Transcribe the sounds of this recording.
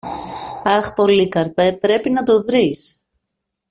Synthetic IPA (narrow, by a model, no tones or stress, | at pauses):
ɐxpo̞likɐɾpe̞pɾe̞pinɐt̪o̞ðɾis